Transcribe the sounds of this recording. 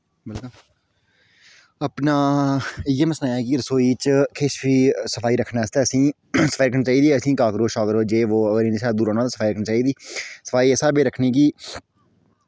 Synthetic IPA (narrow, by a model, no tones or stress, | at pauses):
bɪlkəl | əpnaːjeːməsnaːɛːk̬iɾəsoːiːt͡ʃkʰeːʃʋiːsəfʰaːiːɾəkʰnaːst̪ɛːəsĩː | sə̥faːiɾəkʰniːt͡ʃaːiːd̪iəsĩːkaːkɾoːʃɔːɡəɾoːd͡ʒeːʋoːəɡəɾɪːnːsaːd̪uːɾoːnãːt̪aːsə̥faːiɾəkʰniːt͡ʃaːiːd̪iːsə̥fʰaːiːɛsaːbeːɾəkʰniːkiː